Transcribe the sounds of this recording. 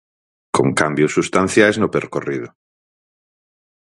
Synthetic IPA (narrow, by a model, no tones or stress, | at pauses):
koŋkambjosːust̪an̟θjajznopeɾkorið̞o